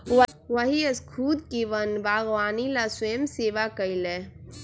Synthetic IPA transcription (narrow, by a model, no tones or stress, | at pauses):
ʋɐɦiɐskʰuːd̪kiʋɐnbaːɣʋaːnilasʊjəmseːʋakɐile